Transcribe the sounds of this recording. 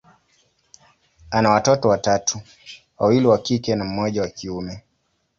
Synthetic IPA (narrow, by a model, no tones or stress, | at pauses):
anawatɔtɔwatatʰu | wawiliwakikɛnam̩mɔʄawakʰiumɛ